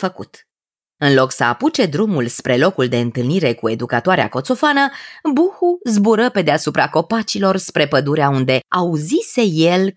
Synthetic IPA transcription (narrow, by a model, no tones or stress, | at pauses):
fəkṵt̪ | ɨnlo̞ksəa̰put͡ʃe̞d̪ɾumulspɾe̞lo̞kuld̪e̞ɨnt̪ɨlniɾe̞kue̞d̪ukat̪oaɾea̰ko̞t̪so̞fanəbuhuzbuɾəpe̞d̪easupɾako̞pat͡ʃilo̞rspɾe̞pəd̪uɾeaund̪e̞auzise̞je̞l